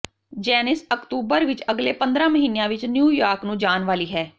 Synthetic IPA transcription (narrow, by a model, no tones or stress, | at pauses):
d͡ʒɛːnɪsəkt̪uːbəɾʋɪt͡ʃəɡleːpə̃nd̪ɾãːməɦiːnejãːʋɪt͡ʃnjuːjaːɾknũːd͡ʒaːnʋaːliːɦɛː